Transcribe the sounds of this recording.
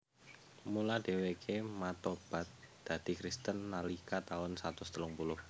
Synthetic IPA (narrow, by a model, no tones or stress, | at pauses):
mulad̥e̤wekʰemat̪ob̥a̤t̪̚d̪̥a̤d̪̥i̤kɾist̪ənːalikat̪aʊnsat̪ʊst̪əlʊŋpulʊh